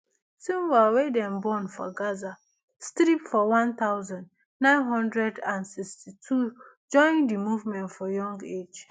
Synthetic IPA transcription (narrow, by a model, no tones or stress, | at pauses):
sĩmwawedɛ̃mbɔnfɔ̰ɡaza | stɾipfɔwãnt̪aʊzãnd | nãɪ̃nɦɔ̃ndɹɛdãnsikstitʰud͡ʒɔ̃ɪ̃ndimuvmɛ̃ntfɔjɔ̃ŋɡed͡ʒ